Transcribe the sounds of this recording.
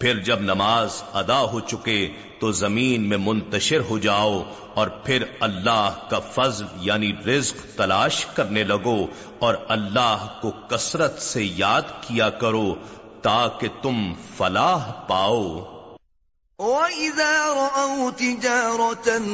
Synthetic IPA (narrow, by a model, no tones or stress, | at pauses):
pʰɪɾd͡ʒɐbnɐmaːzɐd̪aɦot͡ʃʊke | t̪ozɐmiːnmẽmʊ̃nt̪əʃɪɾɦod͡ʒaːo | ɔːɾpʰɪɾɐlːaːɦkafɐzljaːniɾɪzqt̪ɐlaːʃkɐɾnelɐɡo | ɔːɾɐlːaːɦkokɐsɾət̪sejaːd̪kijakɐɾot̪aːket̪ʊmfɐlaːɦpaːoː | oːɪðaːɾˤɑʔɐwt̪ɪd͡ʒaːɾˤɔt̪n